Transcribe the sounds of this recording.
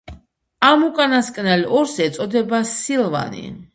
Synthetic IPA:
amukʼanaskʼnɛliɔɾsiɛt̪sʼɔd̪ɛbasilˠva̰nḭ

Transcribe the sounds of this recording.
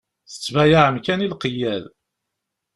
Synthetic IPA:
θə̥t͡sːvæjaʕəmkænilqəjæl

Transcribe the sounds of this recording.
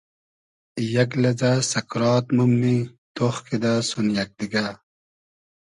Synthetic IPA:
jɐklɐd͡zasɐkɾɑːt̪mumːi | t̪oxkid̪asunjɐk̚d̪iɡa

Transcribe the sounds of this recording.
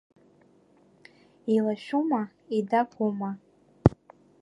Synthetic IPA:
ilaʃuma | idakʷʰuma

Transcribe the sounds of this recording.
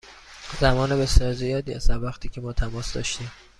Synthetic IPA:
zæmɒːnebe̞sjɒːɾzijɒːd̪iːæsd̪æɾvæxt̪ʰiːcʲʰe̞mɒːt̪ʰæmɒːsd̪ɒ̰ːʃt̪iːm

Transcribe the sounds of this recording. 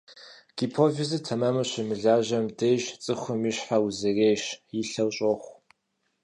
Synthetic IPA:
ɡ̥ipʰoːvizɨtʰɐmɐmɐɕɪmɨɮaːʑɐmdeːʒt͡sʼɨxʷʊmiɕħawzɨreːɕjiɬɐwɕʼoxʷ

